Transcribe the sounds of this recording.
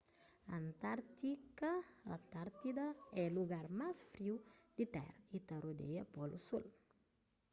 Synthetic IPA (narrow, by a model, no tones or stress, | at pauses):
ant̪aɾt̪ikɐat̪aɾt̪id̪ɐɛluɡaɾmasfɾiwd̪it̪ɛ̰ɾɐit̪ɐɾod̪ḛjɐpɔlusul